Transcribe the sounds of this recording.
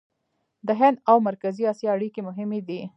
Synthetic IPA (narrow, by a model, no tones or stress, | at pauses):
d̪əɦɪnd̪awmaɾkaziɑsjɑːɽikemʊɦɪmed̪i